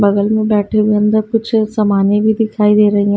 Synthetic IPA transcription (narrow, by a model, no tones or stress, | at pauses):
bɐɡəlmẽbɛːʈʰeʋijənd̪əkʊt͡ʃʰsɐmaːnjebʱid̪ɪkʰaːid̪eːɾɐɦiã